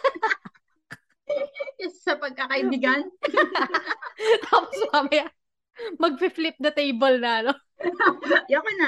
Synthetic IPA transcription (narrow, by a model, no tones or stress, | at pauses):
ɪsɐpɐɡ̚kɐkɐʔɪbɪɡan | t̪aːposmɐmɐja | mɐɡ̚fɪflɪp̚nɐt̪ɛjbɐlnɐɐno | jokɛnɐ